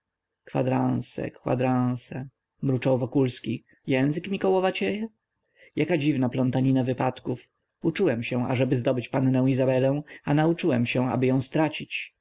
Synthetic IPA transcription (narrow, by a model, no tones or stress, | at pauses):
kfa̰d̪ɾãw̃sɛ̰kwa̰d̪ɾãw̃sɛ | mɾut͡ʂɔwvɔkulskʲi | jɛ̃w̃zɘkmʲikɔwɔvat͡ɕejɛ | jakad͡ʑivnaplɔnt̪aɲinavɘpat̪kuf | ut͡ʂuwɛmɕɛ̃a̰ʐɛbɘzd̪ɔbɘt͡ɕpanːɛ̃w̃izabɛlɛ̃w̃anaut͡ʂɘwɛmɕɛ̃a̰bɘjɔ̃w̃st̪ɾat͡ɕit͡ɕ